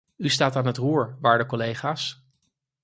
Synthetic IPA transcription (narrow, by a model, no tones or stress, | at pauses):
ystaːtaːnɦətruːɹʋaːɹdəkɔlejχaːs